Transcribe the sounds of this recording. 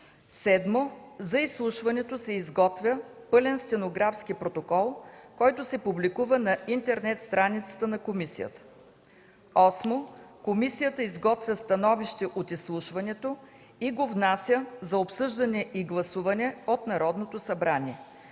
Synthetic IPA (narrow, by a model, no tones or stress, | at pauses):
sɛd̪mozɐislˠuʃvɐnɛt̪osɛizɡɔt̪vʲjəpɤlɛnst̪ɛnoɡɾafskipɾot̪okɔlˠkɔjt̪osɛpublikuvənɐʔint̪ɛɾnɛt̪st̪ɾanit̪sə̥t̪ənɐkomisijə̰t̪ə̥ | ɔsmokomisijət̪əizɡɔt̪vʲjəst̪ɐnɔviʃt̪ɛʔot̪islˠuʃvɐnɛt̪o | iɡovnasʲjəzɐopsɤʒd̪ɐnɛʔiɡlˠɐsuvɐnɛot̪nɐɾɔd̪not̪osɐbɾanʲiɛ